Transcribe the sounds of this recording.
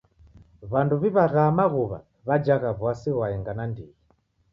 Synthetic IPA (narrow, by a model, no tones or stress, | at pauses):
βanduβiβaɣaːmaɣuβa̰ | βad͡ʒaɣaβwasiɣwaɛŋɡanandiɣi